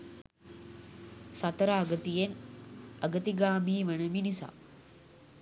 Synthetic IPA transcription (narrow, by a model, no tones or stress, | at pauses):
sat̪əɾaːɡət̪ijenəɡət̪iɡaːmiːʋənəminisa̰ː